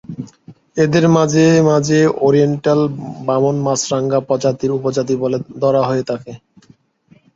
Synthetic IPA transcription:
ed̪eɾmad͡ʑemad͡ʑeoɾieɳʈalbamonmasɾaŋɡapɔd͡ʑat̪iɾupod͡ʑat̪̬iboled̪ɔɾaɦoet̪ʰake

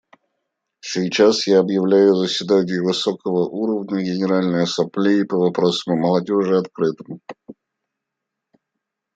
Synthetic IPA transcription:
sʲɪjt͡ɕasjaɐbjɪvlʲæjʊzəsʲvʲɪd̪anʲɪjəvɨsokəvəʔuɾəvnʲəɡʲɪnʲɪɾalʲnəjsɐplʲeɪpəvɐpɾo̞səmməlˠɐdʲo̞ʐɨɐt̪kɾɨt̪ɨm

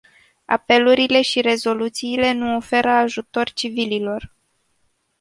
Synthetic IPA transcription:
a̰pe̞luɾile̞ʃiɾe̞zo̞lut̪siːle̞nuo̞fe̞ɾəaʒut̪o̞rʲt͡ʃivililo̞r

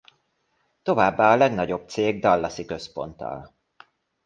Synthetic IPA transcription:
t̪o̞vaːbːaːɒlɛɡnɒɟo̞b̚t̪seːɡ̚d̪ɒlːɒsikø̞spo̞nt̪ɒ̰l

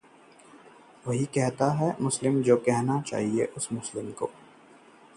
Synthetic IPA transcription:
ʋɐɦikɛɦt̪aɦɛmʊslɪmd͡ʒoːkɛɦnat͡ʃa̰ːɦiḛʔʊsmʊslɪmko̰ː

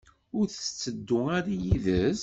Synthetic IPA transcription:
ʊɾθt͡sːəd̪ːʊaɾajiðəz

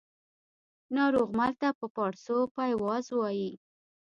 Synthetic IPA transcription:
nɑɾoɣmalt̪apəpɑɽsopajwɑzwɑji

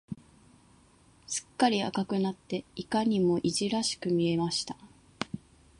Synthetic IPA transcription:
sɨ̥kːaɾʲia̰kakɯ̟nat̪ːe̞ikaɲ̟imo̞ʔiʑiɾaɕi̥kɯ̟mʲie̞maɕi̥t̪ḁ

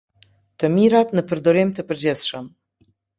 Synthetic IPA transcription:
tʰɐmiɾatnɨpʰɨrd̪oɾemtʰɨpʰɨrd͡ʒesʂɐm

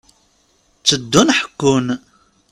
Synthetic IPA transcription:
t͡sːəd̪ːunħə̥kːʊn

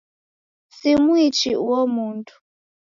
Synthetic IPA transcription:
simwit͡ʃiwɔmuːntʰu̥

